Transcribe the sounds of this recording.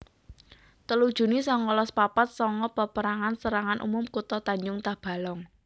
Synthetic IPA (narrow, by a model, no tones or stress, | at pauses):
t̪əlud̥ʒ̥ṳnisɔŋɔlɔspapat̪̚sɔŋɔpapəɾaŋansəɾaŋanʔṵmʊmkut̪ɔt̪aɲd͡ʒʊŋt̪ahb̥a̤lɔŋ